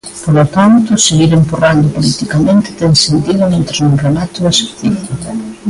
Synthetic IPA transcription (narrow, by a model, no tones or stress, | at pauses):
polot̪ant̪ʊseɣiɾemporand̪ʊpolit̪ikamẽnt̪ɪ̥t̪ɛŋsent̪iðʊmẽnt̪ɾaznurelat̪ʊðɐsuθifika